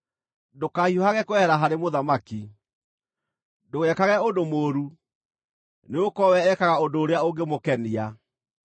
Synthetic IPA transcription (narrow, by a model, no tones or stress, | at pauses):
dokahiohaɣɛkwɛhɛɾaɦaɾemoðamaki | doɣɛkaɣɛondomoːɾu | neokɔwɛːkaɣaodoːɾeaoŋɡemokɛnia